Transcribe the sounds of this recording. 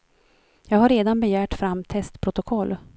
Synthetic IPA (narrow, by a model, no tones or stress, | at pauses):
jɑːɡhaɾːeːd̪anbɛjæːʈfɾamːt̪ʰɛst̪pʰɾʊt̪ʊkʰɔlː